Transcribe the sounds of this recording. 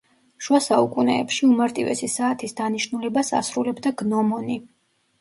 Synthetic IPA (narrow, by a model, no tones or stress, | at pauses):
ʃuasaukʼunɛ̰ːpʃiumaɾt̪ʼivɛ̰sisaːt̪ʰisd̪aniʃnulɛbasa̰sɾulɛbd̪aɡnɔmɔni